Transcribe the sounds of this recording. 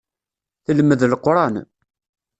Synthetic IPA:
θəlməðlqɾˤɑn

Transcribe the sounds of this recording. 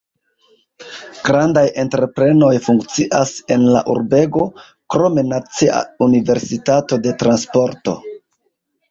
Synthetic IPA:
ɡ̥ɾandaje̞ntɾe̞pɾe̞no̞jfuŋkt͡siʔase̞nla̰ʔuɾbe̞ɡo̞ | kɾo̞me̞nat͡sia̰unive̞ɾsitato̞de̞tɾanspo̞ɾto̞̰

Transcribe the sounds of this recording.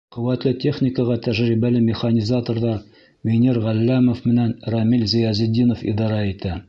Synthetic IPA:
qɵ̆wæt̪lɘt̪ʲe̞χnʲɪkəʁɑt̪æʒɾibælɘmʲɪχanʲizat̪oɾðɑ | mʲenʲiɾʁælːæmŏfmɘ̆nænɾɑmilzɘjɑzɘ̆d̪ːinofḭd̪ɑɾɑit̪æ

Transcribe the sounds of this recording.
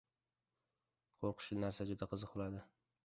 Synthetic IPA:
qʰoɾqʰʊ̥ʃɪlnaɾsad͡ʒʊd̪aqʰɨzɨq̚bolad̪ɪ

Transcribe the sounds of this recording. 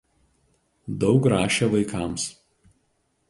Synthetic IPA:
d̪ɒʊkɾɑːʃʲɛʋɐɪkɑˑms

